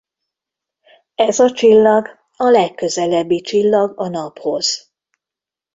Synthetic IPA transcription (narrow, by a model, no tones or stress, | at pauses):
ɛzɒt͡ʃilːɒɡ | ɒlɛkːø̞zɛlɛbːit͡ʃilːɒɡɒnɒpho̞z̥